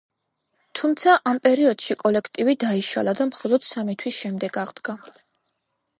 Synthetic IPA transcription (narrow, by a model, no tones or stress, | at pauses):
t̪ʰumt̪sʰaʔampʼɛɾiɔd̪̥ʃikʼɔlɛkʰt̪ʼivid̪aiʃa̰lˠad̪amχɔlˠɔd̪̥samit̪ʰwisʃɛmd̪ɛɡaʁd̪ɡa